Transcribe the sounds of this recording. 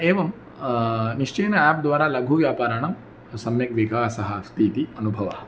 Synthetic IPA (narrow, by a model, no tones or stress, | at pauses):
eːʋɐm | niʂt͡ʃeːnɐæːp̚d̪ʋaːɾaːlɐɡʱuʋjaːpaːɾɐɳɐm | sɐmjɐkʋiɡʱaːsɐɦɐst̪iːt̪iɐnubʱɐʋɐ̰